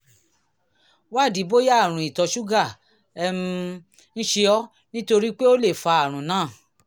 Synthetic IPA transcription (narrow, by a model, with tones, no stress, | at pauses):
wa˦˨di˨˦bo˦ja˦˨ɾ̃ũ˨i˨tɔ˧ʃu˦ɡa˦˨ | ɛ˧m̃˧ | ñ̩˦ʃe˧ɔ˦ | nĩ˦to˧ɾi˦k͡pe˦o˦le˦˨fa˧a˦˨ɾ̃ũ˨˦nãː˦˨